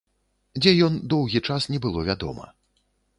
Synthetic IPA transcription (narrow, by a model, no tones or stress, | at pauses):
d͡zʲɛjɔnd̪ɔwɣʲit͡ʂasnʲɛbɨlˠɔvʲad̪ɔ̰mɐ̰